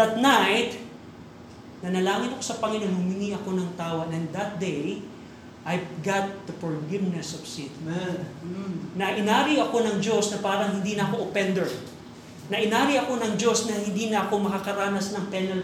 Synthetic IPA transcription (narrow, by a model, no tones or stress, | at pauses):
d̪ɐt̪̚najt̪̚ | nɐnɐlaːŋɪnɐkosɐpɐŋɪnonhʊmɪniʔɐko̞nɐŋt̪aːwɐʔɛnd̪ɐt̪̚d̪ej | ʔajɡat̪̚d̪ɐfɔɹɡɪvnɛsɔvsɪt̪mɛ | nɐʔɪnaːɾɪɐko̞nɐŋd͡ʒo̞snɐpaːɾɐŋɦɪnd̪inɐɐkoʔopɛnd̪ɛɹ | nɐʔɪnaːɾɪʔɐko̞nɐŋd͡ʒo̞snɐhɪnd̪inɐʔɐko̞mɐkakɐɾaːnɐsnɐŋpɛnɐl